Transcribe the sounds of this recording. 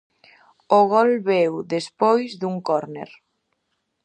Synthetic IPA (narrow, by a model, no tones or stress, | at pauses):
oɣɔlβɛwðespojzðuŋkɔɾnḛɾ